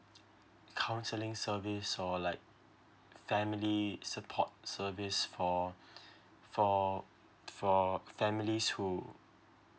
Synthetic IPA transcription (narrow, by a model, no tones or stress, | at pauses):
kʰãw̃nsəlɪ̃ŋsəvisɔlaɪk̚ | fɛ̃milisəpʰɔ̰t̚səvisfɔ | fɔ | fɔfɛ̃milishu